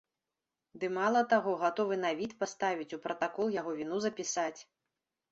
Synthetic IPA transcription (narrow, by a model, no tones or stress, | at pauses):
d̪ɨmalˠɐt̪aɣɔɣat̪ɔvɨnavʲit̪past̪avʲit͡sʲupɾɐt̪akɔlˠjaɣɔvʲinuzɐpʲisat͡sʲ